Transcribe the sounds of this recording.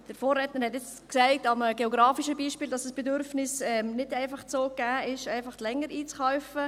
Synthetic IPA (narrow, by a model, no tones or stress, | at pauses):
d̥əɾfoːrːɛtnəɾhɛtjɛt͡s | ksæɪtɑməɡ̥eoɡɾɑːfiʃəbiːʃpiːldɑsəsb̥edʏɾfnɪsɛmnɪdæɪfɑχt͡soːɡ̥æːɪʃæɪfɑχtlɛŋːəɾiːt͡sχawfə